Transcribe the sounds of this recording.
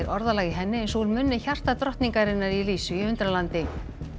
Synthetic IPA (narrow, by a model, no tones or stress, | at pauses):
ɾʔɔɾðalaːɣɪɦɛnːɪɛnsolmʏnːɪçar̥t̪at̪ɾɔht̪niŋkaɾɪnːaɾiliːsʏiʏnt̪ɾalant̪ɪ